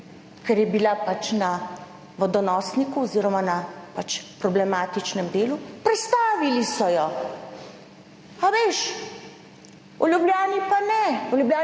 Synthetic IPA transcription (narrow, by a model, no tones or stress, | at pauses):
kɛɾjɛbilapat͡ʃna | ʋɔd̪ɔnɔːsnikuɔziːɾɔmanapat͡ʃpɾɔblɛmaːt̪it͡ʃnɛmd̪eːlupɾɛt̪st̪aːʋilisɔjɔ | aʋeːʃ | ɔlʲjubljaːnipanɛɔljubjaː